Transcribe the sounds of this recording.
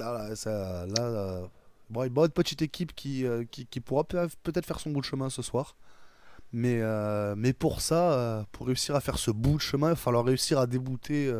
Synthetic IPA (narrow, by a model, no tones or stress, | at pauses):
lalasɛølaøbɔ̃ilvaɛd̪əpət̪it̪ekʲʰipkʲiøkʲikʲipuʁappøt̪ɛt̪χfɛʁsɔ̃bud̪əʃəmɛ̃səswaːʁ | mɛømɛpuʁsaøpuʁːeysiʁafɛʁsəbud̪əʃəmɛ̃vafalwaʁːeysiʁad̪ebut̪ʰeø